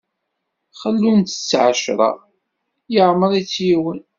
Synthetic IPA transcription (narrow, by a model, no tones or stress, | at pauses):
χəlːunt̪ə̥t͡sːʕəʃɾˤɑ̰ | jəʕməɾˤit͡sːjiwən